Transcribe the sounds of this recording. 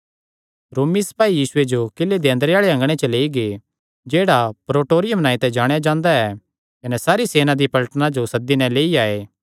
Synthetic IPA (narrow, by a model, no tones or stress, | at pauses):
ɾoːmispaːijiːsʊed͡ʒokɪlːed̪ẽːnd̪əɾeaːɭeɐ̃ŋɡɽ̃et͡ʃɐleːiɡe | d͡ʒeːɽapɾoːʈoːɾɪjəmnãːĩt̪ɛd͡ʒaːɽ̃ejad͡ʒãːnd̪aɛ | kɐnɛsaːɾiseːnad̪ipɐlʈnad͡ʒosɐd̪ːinɛ̃leːiaːeː